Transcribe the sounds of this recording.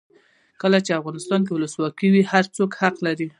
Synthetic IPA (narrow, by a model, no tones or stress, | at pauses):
kəlat͡ʃeafɣɑnɪst̪ɑnk̬ewʊləswɑkiwihaɾt͡sokhaqlaɾi